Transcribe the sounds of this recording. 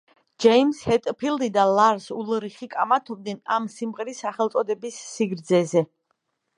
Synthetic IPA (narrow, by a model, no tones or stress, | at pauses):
d͡ʒɛimshɛt̪ʼpʰilˠd̪id̪alaɾsulˠɾiχikʼamat̪ʰɔb̚d̪ɛnamsimʁɛɾisːaχɛlˠt̪sʼɔd̪ɛbisːiɡɾd̪zɛzɛ